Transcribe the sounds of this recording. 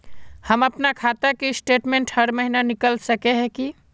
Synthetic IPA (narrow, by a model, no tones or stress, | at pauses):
həməpnakʰat̪əkesʈeʈmẽɳʈhəɾməɦinanikəlsəkeɦɛ̃ki